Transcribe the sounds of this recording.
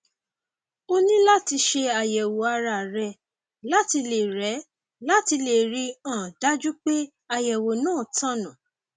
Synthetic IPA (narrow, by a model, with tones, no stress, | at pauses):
o˦nĩ˦la˦ti˧ʃe˧a˨jɛ˨wo˨a˧ɾa˧˨ɾɛ˧ | la˦ti˧le˨ɾɛ˨˦ | la˦ti˧le˨ɾi˧ã˦˨da˦d͡ʒu˦k͡pe˦ | a˧jɛ˨wo˨nãː˦˨tã˦nã˨